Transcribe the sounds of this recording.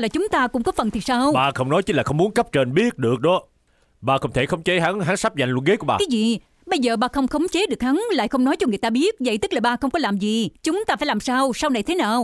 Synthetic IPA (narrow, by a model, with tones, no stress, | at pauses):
laː˨˩t͡ɕʊ˨˦ŋ͡mt̪aː˧kʊ̰˧˥ŋ͡mkɔ˨˦fə˨˩nt̪ʰi˨˩saː˧wɓaː˧xə˧wŋ͡mnɔ˨˦jt͡ɕi̟˨˦laː˨˩xə˧wŋ͡mmu˨˦ənkə˦˥p̚t͡ɕe˧nɓi˦˥ət̚ɗɨ˨˩ək̚ɗɔ˨˦ | ɓaː˧xə˧wŋ͡mt̪ʰe˧˩xə˧wŋ͡mt͡ɕe˨˦ɦa˨˦ŋɦa˨˦ŋsa˦˥p̚za̰˨˩ŋlwə̰˧˨nɣe˨˦ku˧˩əɓaː˨aː˨˦zḭ˧˨ | ɓə˧jzəː˨˩ɓaː˧xə˧wŋ͡mxə˨˧wŋ͡mt͡ɕe˨˦ɗɨ˨˩ək̚ha˨˦ŋla̰ː˧˨jxə˧wŋ͡mnɔ˨˦jt͡ɕɔ˧ŋɨ˨˩əjt̪aː˧ɓi˦˥ət̚və̰˧˨jt̪ɨ˦˥k̚laː˨˩ɓaː˧˩xə˧wŋ͡mkɔ˨˦laː˨˩mzi˨t͡ɕʊ˨˦ŋ͡mt̪a˧faː˧˩jlaː˨˩msaː˧wsa˧wna˨˩jt̪ʰe˨˦naː˨˩w